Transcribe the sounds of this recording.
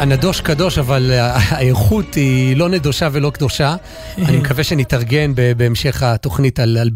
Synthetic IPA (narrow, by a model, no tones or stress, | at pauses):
anado̞ʃkado̞ʃavalaeʁχutilo̞ned̪oʃavelo̞kd̪o̞ʃa | animekaveʃenitaʁɡe̞nbebeːmʃe̞χato̞χnitalal